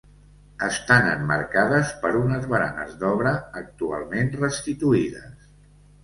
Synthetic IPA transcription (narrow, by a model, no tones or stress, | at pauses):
əst̪anə̰mːə̰ɾkaðəspəɾunəzβəɾa̰nə̰zd̪ɔβɾəːk̚t̪ua̰lˠmenrəst̪it̪uiðə̰s